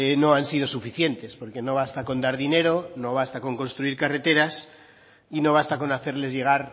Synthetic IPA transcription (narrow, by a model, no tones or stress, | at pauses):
eno̞ansiðo̞sufiθje̞nt̪e̞spo̞ɾke̞no̞βast̪ako̞nd̪aɾðine̞ɾo̞no̞β̞ast̪ako̞ŋko̞nst̪ɾuiɾkare̞t̪e̞ɾas | ino̞β̞ast̪ako̞naθe̞ɾle̞zʝe̞ɣ̞aɾ